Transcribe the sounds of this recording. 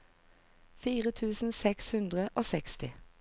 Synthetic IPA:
fiːʁət̪ʰʉːsn̩sɛkshʉnd̪ʁəʔoːsɛkst̪ɪ

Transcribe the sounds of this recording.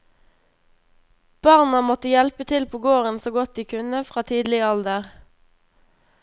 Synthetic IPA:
b̥ɑʁnɑmɔt̪əjɛlpət̪ʰɪlpʰoːɡoːʁənsoːɡɔt̪̚d̪iːkʰʉnəfʁɑːt̪ʰiːd̪lɪəɑld̪əʁ

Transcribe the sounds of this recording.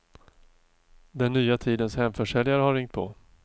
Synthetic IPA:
d̪ɛnːyːat̪ʰiːd̪ənshɛmfœʂɛljaɾəhaɾɪŋt̪̚pʰɔ̰

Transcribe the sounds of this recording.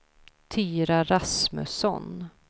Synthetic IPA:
t̪ʰiːɾaɾasmɵ̰sɔ̰n

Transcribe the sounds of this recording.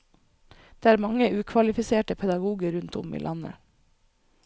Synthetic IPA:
d̪̥eːæːɾmɑŋəʉːkʰʋɑlɪfɪseːʈəpʰɛd̪ɑɡuːɡəɾʉnt̪ʊmḭːlʔɑnə̰

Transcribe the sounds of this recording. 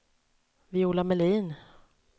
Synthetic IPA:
vɪuːlamɛliːn

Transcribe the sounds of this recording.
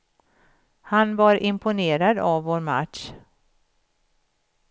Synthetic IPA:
hanvaɾʔɪmpʰʊneːɾad̪avːoːɾma̰t̪ʂ

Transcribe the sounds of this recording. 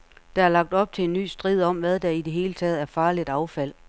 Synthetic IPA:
d̥ɑ̈æɐlɑ̈ɡ̥̚d̥ɒ̽b̥̚t͡sʰe̝enːy̰ːsd̥ʁið̰ˠɒ̽m̰ʋæð̞ˠd̥ɑ̈id̥e̝ɦe̝ːlət͡sʰɛ̰ːð̞̩ˠæɐfɑ̈ːlid̥ɑ̈ʊfæl̰

